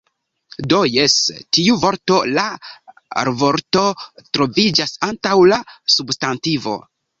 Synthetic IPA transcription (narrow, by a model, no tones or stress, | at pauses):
do̞jestiuvo̞ɾto̞la | ɾevo̞ɾto̞tɾo̞vid͡ʒasantawlasubstantivo̞̰